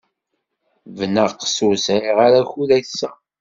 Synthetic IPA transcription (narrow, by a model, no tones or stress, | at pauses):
vnəʁqːə̥susɾiʁaɾaçuðæsːæ